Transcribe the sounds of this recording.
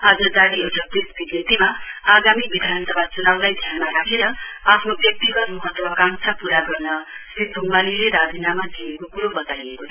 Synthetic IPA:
ad͡zʌd̪aɽioʈʰʌp̪esbiɡet̪imaaɡamibid̪ʱansʌbat͡sunawlajd̪ʱjanmaɾakʰeɾʌapʰnobjʌk̚t̪iɡʌt̪mʌɦʌt̪ːwʌkaŋsʰapuɾaɡʌrnʌsit̪̚bʱuŋbalileɾad͡zinamad͡zijekokuɾobʌt̪ajekot͡sʰ

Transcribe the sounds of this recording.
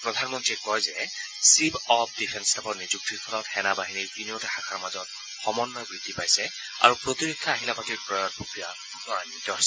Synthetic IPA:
pɹɔdʱanmɔntɹiɛkɔjzɛ | sibɔp̚ʰdipʰɛnstʰapɔɹnizuk̚tiɹpʰɔlɔtxɛnabaɦiniɹiniotɛxakʰaɹmazɔt̚ | xɔmɔnːɔbɹidʱipajsɛ | a̰ɹupɹotiɹikʰːaːɦilapatiɹpɹɔjɔt̚pokɹija | tɔɹanidɔɹs

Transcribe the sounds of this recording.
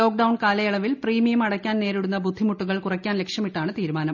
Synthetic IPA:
o̞ːk̚ɖɐwɳkaːlɐjɐɭɐʋilpriːmijɐmɐɽɐkʲːaːnne̞ːɾiɽunːɐbud̪ʱːimuʈːuɣɐɭkurɐkʲːaːnlekʂjɐmiʈːaːɳɨt̪iːɾumaːnɐm

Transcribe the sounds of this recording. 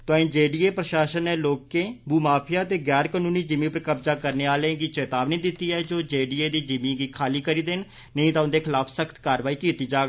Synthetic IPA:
t̪ãːĩːd͡ʒeːɖiːeːpɾəʃaːʃənːeːloːkeːbuːmaːpʰɪjaːt̪eːɡɛːɾkəːnũːniːd͡ʒɪmĩːpəɾkəbzaːkəɾneːaːlẽːɡit͡ʃeːt̪aːbnĩːd̪ɪt̪ːiːɛːd͡ʒoːd͡ʒeːɖiːeːd̪iːd͡ʒɪmĩːɡiːkʰaːliːkəɾiːd̪eːn | nəĩːt̪aːʊnd̪eːkʰɪlaːpʰsəkʰt̪kaːɾʋaːiːkiːt̪iːd͡ʒaːɡ

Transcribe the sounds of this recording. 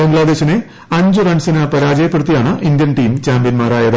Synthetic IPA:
bɐŋɡɭaːd̪e̞ːɕine | ɐɲd͡ʑɨrɐɳsinɐpɐɾaːd͡ʑɐjɐpːurut̪ːijaːɳɨʔind̪jɐnʈiːmt͡ɕaːmpbijɐnmaːraːjɐðɨ

